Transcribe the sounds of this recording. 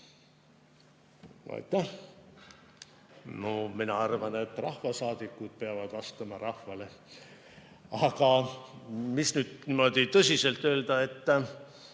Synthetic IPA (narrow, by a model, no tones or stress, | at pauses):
ɑ̰jt̪ːˑæh | nominɑɑrvɑne̞t̪ːrɑhvɑsɑːd̪̥ikːud̪̥̚peɑvɑd̪̥vɑst̪ɑmɑrʔɑhvɑle̞ | ɑɡ̥ɑ | misnyːd̪̥nimo̞d̪̥it̪ɤsʲise̞lt̪ːˑø̞ːld̪̥ɑe̞t̪ː